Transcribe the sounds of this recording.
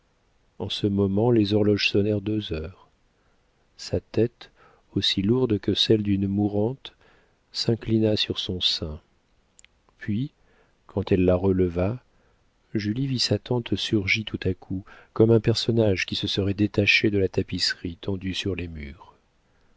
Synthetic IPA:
ɑ̃səmɔmɑ̃lezɔʁlɔʒsɔnɛʁd̪øzœːʁ | sat̪ɛt̪ | osiluʁd̪kəsɛld̪ynmuʁɑ̃t̪ | sɛ̃klinasyʁsɔ̃sɛ̃ | pɥi | kʰɑ̃t̪ɛlːaʁələva | ʒylivisat̪ɑ̃t̪syʁʒit̪ʰut̪akʰukɔmɛ̃pɛʁsɔnaʒkʲisəsəʁɛd̪et̪aʃed̪əlat̪apisχit̪ʰɑ̃d̪ysyʁlemyːʁ

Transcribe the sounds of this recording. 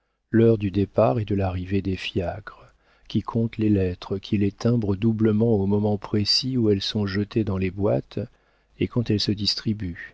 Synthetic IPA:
lœʁd̪yd̪epaʁɛd̪əlaʁived̪efjakʁə | kʲikʰɔ̃t̪lelɛt̪χəkʲʰilet̪ɛ̃bʁəd̪ubləmɑ̃omɔmɑ̃pχesiuɛlsɔ̃ʒət̪ed̪ɑ̃lebwat̪ | ekɑ̃t̪ɛlsəd̪ist̪χiby

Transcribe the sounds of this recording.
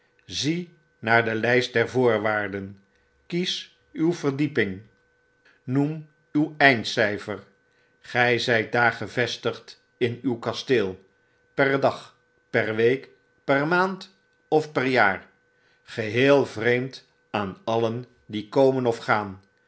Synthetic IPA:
zi | naːɹdəlɛjst̚dɛɹvʊːɹʋaːɹdən | kis | ywvəɹdipɪŋ | num | ywɛjntsɛjfər | χɛjzɛjt̚daːɹχəvɛstəχt | ɪnywkɑstɪːlˠ | pɛrdɑχ | pɛrʋejk | pɛrmaːnt | ɔfpɛɹjaːɹ | χəɦɪːlˠvrejmt | aːnɑlən | dikowmənɔfχaːn

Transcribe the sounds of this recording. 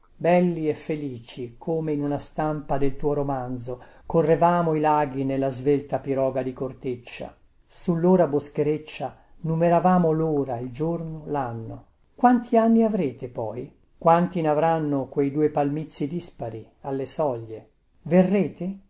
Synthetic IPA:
bɛlːiɛfːeliːt͡ʃikʰoːmeinunast̪ampad̪elt̪uːoɾomand̪zokorːevaːmoilaːɡinelːazvelt̪apiɾɔːɡad̪ikort̪et͡ʃːa̰ | sulːoːɾaboskeɾet͡ʃːa | numeɾavaːmoloːɾaild͡ʒornolanːo̰ | kwant̪ʰianːiavɾeːt̪epɔj | kwant̪inavɾanːokwejd̪uːepalmit̪sːid̪ispaɾi | alːesɔʎːe | verːeːt̪e

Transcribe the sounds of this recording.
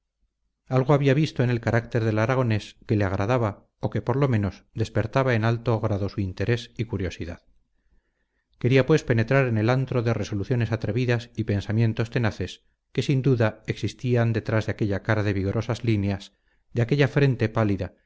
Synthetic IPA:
alɣ̞oaβiaβist̪o̞ene̞lkaɾʔak̚t̪e̞ɾðe̞laɾaɣ̞o̞ne̞ske̞leaɣ̞ɾʔaðaβa | o̞ke̞po̞ɾlo̞mẽ̞no̞sd̪e̞spe̞ɾt̪aβae̞nalt̪oɣɾaðo̞suint̪e̞ɾe̞sikuɾjo̞siða̰ð | ke̞ɾiapwe̞spe̞ne̞t̪ɾaɾe̞ne̞lant̪ɾo̞ðe̞re̞so̞luθjo̞ne̞sat̪ɾe̞βiðasipe̞nsamjẽ̞nt̪o̞st̪e̞naθe̞s | ke̞sind̪uðae̞ksist̪iand̪e̞t̪ɾazðeake̞ʎakaɾaðe̞βiɣo̞ɾʔo̞sazlineas | d̪eake̞ʎafɾe̞nt̪e̞paliða

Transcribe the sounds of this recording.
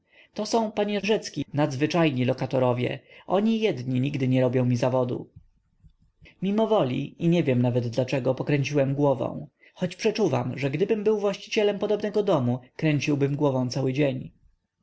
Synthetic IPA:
t̪ɔsɔ̃w̃paɲɛʐɛt̪skʲinad̪zvɘt͡ʂajɲilɔkat̪ɔɾɔvʲjɛ̰ʔɔɲijɛd̪ɲiɲiɡd̪ɘɲɛɾɔbʲjɔ̃w̃mʲizavɔd̪ṵ | mʲimɔvɔlʲḭiɲɛvʲjɛmnavɛd̪ːlat͡ʂɛɡɔpɔkɾɛɲt͡ɕiwɛmɡwɔvɔ̰̃w̃ | xɔt͡ɕpʂɛt͡ʂuva̰mʐɛɡd̪ɘbɘmbɘwvwaɕt͡ɕi̥t͡ɕɛlɛmpɔd̪ɔbnɛɡɔd̪ɔmukɾɛɲt͡ɕiwbɘmɡwɔvɔ̃w̃t̪sawɘd͡ʑeɲ

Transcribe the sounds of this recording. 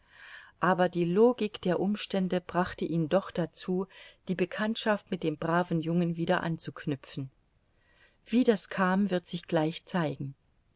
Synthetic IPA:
ʔaːbɐdiːloːɡɪkd̥eːɐʔʊmʃtɛndəbʁaχtəʔiːndɔχd̥at͡suːd̥iːbəkʰantʃaftmɪt̚d̥eːmbʁaːvn̩jʊŋənviːɾɐʔa̰nt͡sukʰnʏpfn̩ | v̥iːdaskʰaːmvɪɐtz̥ɪçɡ̥laɪçt͡saɪɡŋ̩

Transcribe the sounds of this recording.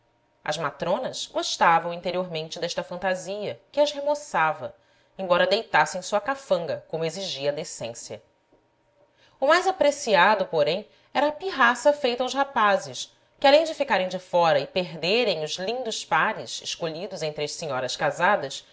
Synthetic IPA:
ɐ̰zmat̪ɾõnɐzɡoʃt̪avɐ̃w̃ĩnt̪eɾioɾmẽnt͡ʃɪd̪ɛʃt̪ɐfɐ̃nt̪aziɐkɪɐzɦemosavɐ | ẽbɔɾɐd̪ejt̪asẽj̃suɐkafɐ̃ŋɡɐkõmʊeziʒiɐd̪esḛ̃sjɐ̰ | ʊmajzapɾesiad̪ʊpoɾẽj̃ | ɛɾɐːpiɦasɐfejt̪ɐawzhapazɪʃ | kɪalẽj̃d͡ʒɪfikaɾẽj̃d͡ʒɪfɔɾɐɪpeɦd̪eɾẽj̃ʊzlĩnd̪ʊʃpaɾɪzɪ̰ʃkoʎid̪ʊzẽnt̪ɾɪɐʃseɲɔɾɐskazad̪ɐs

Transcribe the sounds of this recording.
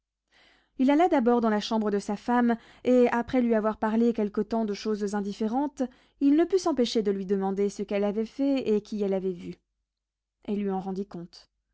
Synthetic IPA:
ilalad̪abɔʁd̪ɑ̃laʃɑ̃bʁəd̪əsafam | eapχɛlɥiavwaʁpaʁlekʲɛlkət̪ɑ̃d̪əʃozzɛ̃d̪ifeʁɑ̃t̪ | ilnəpysɑ̃peʃed̪əlɥid̪əmɑ̃d̪esəkɛlavɛfɛekʲʰiɛlavɛvy | ɛlːɥiɑ̃ʁɑ̃d̪ikɔ̃t̪

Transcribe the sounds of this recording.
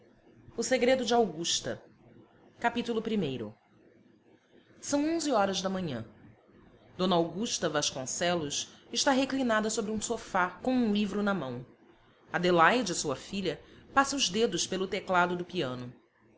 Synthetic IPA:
ʊseɡɾed̪ʊd͡ʒɪawɡuʃt̪ɐ̰ | kapit̪ulʊpɾimejɾʊ̰ | sɐ̃w̃õzɪɔɾɐzd̪ɐmɐ̃ɲɐ̰̃ | d̪õnɐawɡuʃt̪ɐvaʃkõsɛlʊʃɪʃt̪aɦeklinad̪ɐsobɾiũsofakõw̃ũlivɾʊnɐmɐ̃w̃ | ɐd̪elajd͡ʒɪsuɐfiʎɐpasɐʊzd̪ed̪ʊʃpelʊt̪eklad̪ʊd̪ʊpiɐ̃nʊ

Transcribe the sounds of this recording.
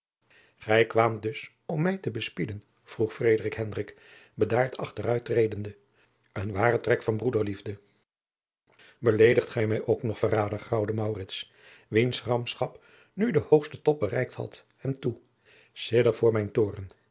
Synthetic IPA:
χɛjkʋaːmdɵs | ɔmːɛjtəbəspidən | v̥ruχfrejdərɪkɦɛndrɪk | bədaːɹtʰɑ̰χtərœɥtrejdəndə | ənʋaːrətrɛkfɑnbrudəɹlivdə | bəlejdəχtχɛjmɛjʔowknɔχfəraːdəχrɑwdəmɑwrɪts | ʋinsrɑmpsχɑp | nydəhowχstətɔp̚bərɛjk̚thɑ̰t | hɛmtu | sɪdəɹvʊːɹmɛjntʊːrən

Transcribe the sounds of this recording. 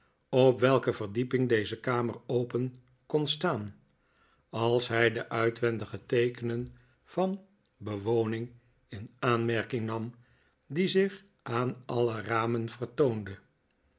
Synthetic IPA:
ɔpʋɛlˠkəvərdipɪŋdejzəkaːmərowpən | kɔnstaːn | ɑlˠsɦɛjdəʔœɥtʋɛndəχətejkənən | v̥ɑn | bəʋownɪŋ | ɪnaːnmɛɹkɪŋnɑm | dizɪχ | aːnɑləraːmənv̥ərtowndə

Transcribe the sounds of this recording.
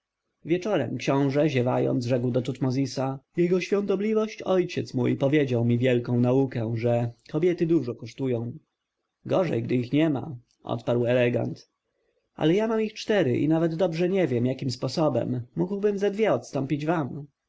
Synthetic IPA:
vʲjɛt͡ʂɔɾɛ̰mkɕɔ̃w̃ʐɛʑɛva̰jɔ̰nzʐɛkwd̪ɔt̪ut̪mɔzʲisajɛɡɔɕfʲjɔ̃nt̪ɔblʲivɔɕt͡ɕɔjt͡ɕɛt̪smṵjpɔvʲjed͡ʑawmʲivʲjɛlkɔ̃w̃naukɛʐɛkʰɔbʲjɛt̪ɘd̪uʐɔkɔʂt̪ujɔ̃w̃ | ɡɔʐɛ̰jɡd̪ɘixɲɛma̰ | ʔɔ̰t̪paɾwɛlɛɡa̰nt̪ | ʔa̰lɛjamamixt͡ʂt̪ɛɾɘʔḭnavɛd̪d̪ɔbʐɛɲɛvʲjɛmjakʲimspɔsɔbɛ̰mːuɡwbɘmzad̪vʲjɛɔt̪st̪ɔmpʲid͡ʑvam

